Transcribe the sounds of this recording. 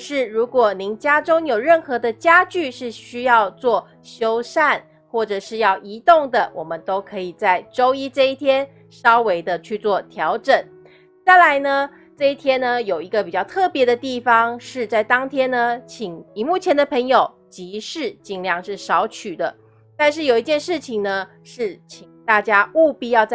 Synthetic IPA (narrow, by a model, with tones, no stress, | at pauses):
ʂɻ̩˥˩ɻu˧˥kwɔ˨˩ni˧˥ŋt͡ɕja˥ʈ͡ʂʊ˥ŋjo˨˩ʊɻə˥˩nxɤ˧˥d̪ə˧t͡ɕja˥t͡ɕy˥˧ʂɻ̩˥˩ɕy˥jɑ˥˧ʊt͡swɔ˥˩ | ɕjo˥ʊsa˥˧n | xwɔ˥˩ʈ͡ʂɤ˨˩ʂɻ̩˥˧jɑ˥˩ʊʔi˧˥t̪ʊ˥˩ŋd̪ə˩wɔ˨˩mə˦nt̪o˥ʊkʰɤ˧˥i˨˩t͡sa˥˩ɪʈ͡ʂo˥ʊi˥ʈ͡ʂɤ˥˧i˥˩t̪ʰjɛ˥n | ʂɑ˥ʊwe˧˥ɪd̪ə˧t͡ɕʰy˥˧t͡swɔ˥˩t̪ʰjɑ˧˥ʊʈ͡ʂə˨˩˦n | t͡sa˥˩ɪla˧˥ɪnə˧ | ʈ͡ʂɤ˥˧i˥˩t̪ʰjɛ˥nnə˧jo˨˩ʊi˧˥ɡə˧pi˨˩t͡ɕjɑ˥˧ʊt̪ʰɤ˥˩pjɛ˧˥ɾə˧t̪i˥˩fɑ˦ŋʂɻ̩˥˧t͡sa˥˩ɪt̪ɑ˥ŋt̪ʰjɛ˥nnə˧t͡ɕʰi˨˩ŋi˨˩mu˥˩t͡ɕʰjɛ˧˥nd̪ə˨˧pʰə˧˥ŋjo˨˩ʊ | t͡ɕi˧˦ʂɻ̩˥˩t͡ɕi˥˧ŋljɑ˥˧ŋʂɻ̩˥˩ʂɑ˧˥ʊt͡ɕʰy˨˩d̪ə˦ | t̪a˥˧nʂ̬ɻ̩˥˩jo˨˩ʊi˧˥t͡ɕjɛ˥˧nʂɻ̩˥˩t͡ɕʰi˨˩ŋnə˦ | ʂɻ̩˥˩t͡ɕʰi˨˩ŋt̪a˥˩t͡ɕja˥u˥˧pi˥˧jɑ˥˧ʊt͡sa˥˧